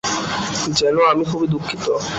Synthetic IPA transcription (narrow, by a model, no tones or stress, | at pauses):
d͡ʑɛnoamikʰubid̪ukʰːit̪o